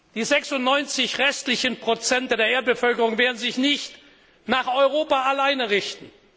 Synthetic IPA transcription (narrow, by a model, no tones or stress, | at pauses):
d̥iːzɛksʊntnɔʏnt͡sɪçʁɛstlɪçənpʁ̥ot͡sɛnt̚ddeːɐeːɐt̚b̥əfœlkəʁʊŋveːɐdn̩zɪçnɪçt | naːχɔʏʁoːpaalaɪnəʁɪçtn̩